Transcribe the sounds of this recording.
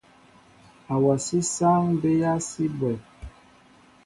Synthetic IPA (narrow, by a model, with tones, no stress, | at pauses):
a˨wa˨si˦sa˦ŋbe˦ja˦si˦bwɛ˨